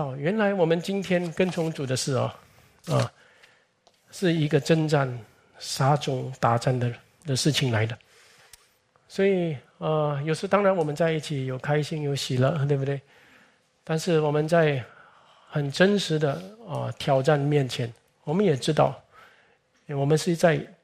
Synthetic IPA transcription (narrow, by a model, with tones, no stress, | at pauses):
ʊɥɛ˧˥nla˧˥ɪwɔ˨˩mə˦nt͡ɕi˥nt̪ʰjɛ˥nkə˥˧nt͡sʰʊ˧˥ŋt͡su˨˩d̪ə˦ʂɻ̩˥˩ɐ̰˨˩ | ə˧ | ʂɻ̩˥˩i˧˥ɡə˧ʈ͡ʂə˥˧nʈ͡ʂa˥˩n | ʂa˥ʈ͡ʂʊ˧˥ŋt̪a˨˥ʈ͡ʂa˥˩nd̪ə˨˩ | d̪ə˨ʂɻ̩˥˩t͡ɕʰi˨˩ŋla˧˥ɪd̪ə˧ | swɔ˧˥i˨˩ | ə˧jo˨˩ʊʂt̪ɑ˥ŋɻa˧˦nwɔ˨˩mə˦nt͡sa˥˧ɪi˥˩t͡ɕʰi˨˩jo˨˩ʊkʰa˥ɪɕi˥˧ŋjo˧˥ʊɕi˨˩lə˧t̪we˥˧bə˧t̪e˥˩ɪ | t̪a˥˧nʂɻ̩˥˩wɔ˨˩mə˦nt͡sa˥˩ɪ | xə˨˩nʈ͡ʂə˥nʂɻ̩˧˥d̪ə˧ə̰˧t̪ʰjɑ˧˥ʊʈ͡ʂa˥˧nmjɛ˥˩nt͡ɕʰjɛ˧˥n | wɔ˨˩mə˦njɛ˨˩ʈ͡ʂɻ̩˥t̪ɑ̰˥˩ʊ | wɔ˨˩mə˦nʂɻ̩˥˧t͡sa˥˧ɪ